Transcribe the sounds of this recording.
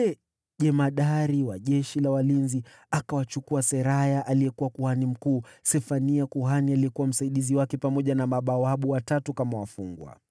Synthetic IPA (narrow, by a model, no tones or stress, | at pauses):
ɛ | ʄɛmaɗaɾiwaʄɛʃilawalinzi | akawat͡ʃukuasɛɾajaʔalijɛkuwakuhanim̩kuːsɛfaniakuɦanialiɛkuwam̩saiɗiziwakɛpamɔʄanamaɓawaɓuwatatukamawafuŋɡwa̰